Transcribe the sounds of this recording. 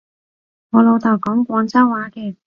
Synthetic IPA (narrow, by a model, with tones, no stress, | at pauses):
ŋɔː˨˧lo˨˧wt̪ʰɐ˨˩wkɔː˨˥ŋkʷɔː˨˧ŋt͡sɐ˥wwaː˨˥kɛː˧